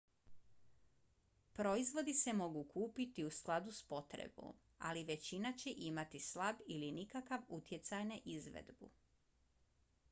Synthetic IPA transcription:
pɾo̞izʋo̞d̪ise̞mo̞ɡukuːpit̪iusklˠad̪uspo̞t̪ɾḛbo̰m | a̰liʋe̞t͡ɕinat͡ɕeʔimat̪islabilinikakaʋut̪je̞t̪sajnaʔizʋḛd̪bṵ

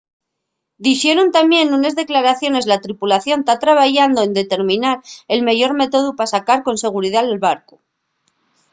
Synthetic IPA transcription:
d̪ixje̞ɾont̪amje̞nunezðe̞klaɾaθjo̞ne̞zlat̪ɾipulaθjo̞nt̪at̪ɾaβaʝand̪oe̞nd̪e̞t̪e̞ɾmĩnaɾe̞lmeʝo̞ɾme̞t̪o̞ðupasakaɾko̞nse̞ɣ̞uɾiðalelβaɾko

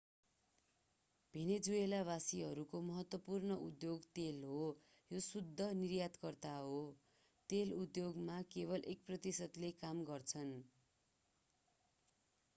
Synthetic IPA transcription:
b̥ʱened͡zuelabasiɦʌɾukomʌɦʌt̪wʌpurnʌʔud̪joɡt̪elɦo | josud̪ʱːʌnirjat̪kʌrt̪aɦo | t̪elud̪joɡmakeβʌlʔek̚prʌt̪isʌd̪lekamɡʌrt͡sʰʌn

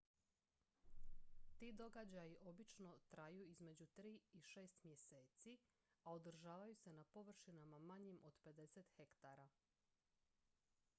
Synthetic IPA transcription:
t̪iːd̪o̞ɡad͡ʑajiʔo̞bit͡ʃno̞t̪ɾajuːizme̞d͡ʑut̪ɾiːiʃe̞ːst̪mje̞se̞ːt̪si | aod̪r̩ʒaːʋajuse̞napo̞ʋr̩ʃinamamaɲimʔo̞d̪pe̞d̪e̞se̞t̪xe̞kt̪aɾa

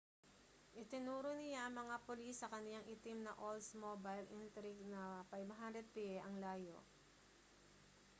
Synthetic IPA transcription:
ʔɪt̪ɪnuːɾonɪjaʔɐŋmɐŋapolisɐkɐnɪlaŋʔɪt̪imnɐʔolsmobajlʔint̪ɾɪɡnɐpajbɦand̪ɾɛd̪̚piɛʔɐŋlaːjo̰ʔ

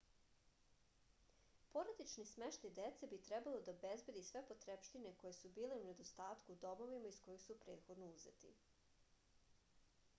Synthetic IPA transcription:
po̞ɾad̪it͡ʃnismeʃt̪ajd̪et̪sebit̪ɾɛbalod̪aobezbe̞d̪isʋe̞po̞t̪ɾepʃt̪ineko̞jesubiːle̞une̞d̪o̞st̪aːt̪kuːd̪o̞mo̞ʋimaisko̞jixsupɾe̞ːt̪xo̞d̪nouze̞̰t̪ḭ

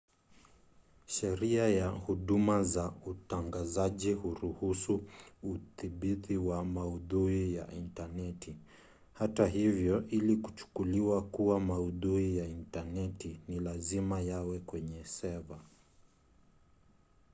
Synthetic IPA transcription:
ʃɛɾiajahuɗumazautaŋɡazaʄihuɾuhusuuθiɓitiwamauðuija̰intanɛti | hataɦivjɔʔiliku̥t͡ʃu̥kuliwakuwamauðuijaintanɛtinilazimajawɛkwɛɲɛsɛða

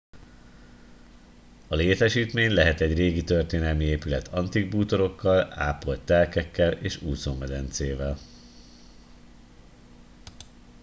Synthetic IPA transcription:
ɒleːt̪ɛʃiːt̪meːɲlɛɦɛt̪ɛɟreːɡit̪ø̞rt̪eːnɛlmieːpylɛt̪ʰɒnt̪iɡ̚buːt̪o̞ɾo̞kːɒla̰ːpo̞lt̪ːɛlkɛkːɛleːʃuːzoːmɛd̪ɛnt̪seːvɛl

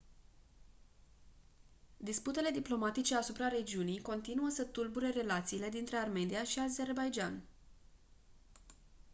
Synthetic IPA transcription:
d̪isput̪e̞le̞d̪iplo̞mat̪it͡ʃe̞asupɾaɾe̞d͡ʒiunijko̞nt̪inuəsət̪ulbuɾe̞re̞lat̪siːle̞d̪int̪ɾe̞arme̞niaʃiaze̞rbajd͡ʒan

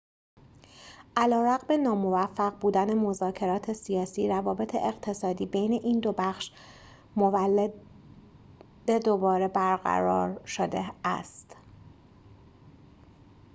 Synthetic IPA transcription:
ʔælɒːɾæɣbe̞nɒːmo̞væfːæɣbuːd̪æne̞mo̞zɒːcʰe̞ɾɒːt̪ʰe̞sijɒːsiːɾævɒːbe̞t̪ʰe̞̰ʔeɣt̪ʰe̞sɒːd̪iːbejne̞ʔiːnd̪o̞bæxʃ | mo̞vælːe | d̪̥ed̪obɒːɾe̞bæɾɣæ̰ɾɒ̰ːɾʃod̪eæ̰st̪

